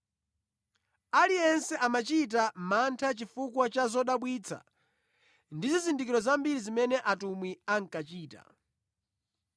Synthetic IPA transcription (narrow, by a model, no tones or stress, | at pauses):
aliɛnsɛʔamat͡ʃit̬amantʰat͡ʃifukwat͡ʃazɔɗaɓwit͡sʰa̰ | ndizizindikiɾɔzambiɾizimɛnɛʔatumwiaŋkat͡ʃiːta̰